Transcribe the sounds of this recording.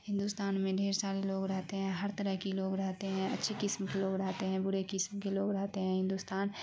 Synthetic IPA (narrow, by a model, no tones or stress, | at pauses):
ɦɪ̃nd̪uːst̪aːnmẽɖʱeːɾsaːɾeloːɡɾɐɦt̪eɦɛ̃ːɦɐɾt̪əɾəɦkiloːɡɾɐɦt̪eɦɛ̃ɐtːʃʰekɪsmkeloːɡɾɐɦt̪eɦɛ̃bʊɽekɪsmkeloːɡɾɐɦt̪eɦɛ̃ːɦɪ̃nd̪ust̪aːn